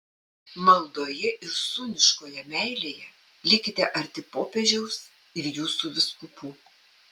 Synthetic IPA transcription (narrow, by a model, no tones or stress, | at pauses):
mɐlˠd̪oːjɛʔɪɾsʊnʲɪʃkoːjɛmʲæˑɪlʲeːjɛ | lʲɪkʲɪt̪ʲɛʔɐɾʲt̪ʲɪpoːpʲɛʒʲɛʊs | ɪɾjuːsuːʋʲɪskʊpuː